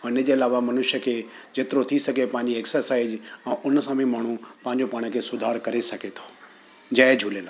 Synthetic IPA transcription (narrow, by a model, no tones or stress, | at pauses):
ʊɪnəd͡ʑeɐlaːʋamɐnʊʃjəkʰeːd͡ʑeːt̪ɪɾot̪ʰisɐɡʱepãɦɪ̃ɲd͡ʑieksəɾsaːɪzɛ̃ːʔʊnsãbʱĩmaːɳ̤ũpãɦɪɲ̆d͡ʑopaːɽ̃kʰeːsʊd̪ʱaːɾkɐɾesɐɡet̪ʰo̥ː | d͡ʑɐːed͡ʑʱuːleːlaː